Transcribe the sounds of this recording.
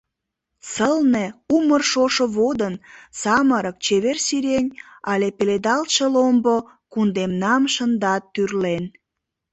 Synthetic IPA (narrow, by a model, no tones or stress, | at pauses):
səlneumərʃoʃoβod̪ənsɑməɾək̚t͡ɕeβersiɾʲenʲɑlʲepeled̪ɑlt̪ʃəlombo | kund̪emnɑmʃənd̪ɑt̪ːyrlen